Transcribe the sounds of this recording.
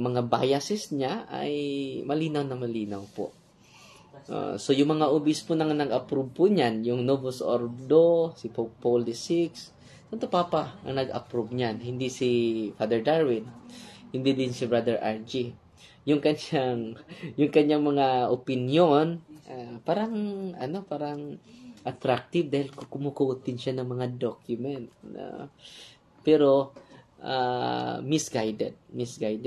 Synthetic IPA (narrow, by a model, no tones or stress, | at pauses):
mɐŋaba̰jɐsɛsɲaʔa̰jmɐliːnawnɐŋmɐliːnawpo̰ʔ | ʔo̰so̞jʊŋmɐŋaʔʊbɪspʊnɐŋnɐɡʔɐpɾub̚pʊʔɲanjʊŋnobosʔo̰ɹd̪osɪpopold̪ɪsɪks | sɐt̪opaːpaʔɐ̰ŋnɐɡɐ̰pɾub̚ɲanhɪnd̪isifad̪ɛɹd̪aɹwɪnhɪnd̪id̪ɪnsɪbɹad̪ɛɹʔaɹd͡ʒi | jʊŋkɐnʃaŋjʊŋkɐɲːaŋmɐŋaʔʊpɪnjonʔapaːɾɐŋɐno̞paːɾɐŋʔɐt̪ɾak̚t̪ɪb̚d̪aːhɪlkokʊmʊkuʔt̪ɪnʃanɐŋmɐŋad̪okjʊmɛnt̪̚na̰ | pɛɾo̞ | ʔa̰mɪsɡajd̪ɛ̰d̪̚mɪsɡajd̪